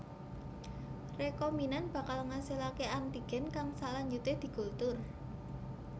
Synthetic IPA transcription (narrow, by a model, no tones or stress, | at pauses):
rekɔminanb̥ä̤kalŋasilakeant̪iɡ̥ɛ̤nkaŋsalaɲd͡ʒut̪ed̪̥i̤ɡ̥o̤lt̪ʊr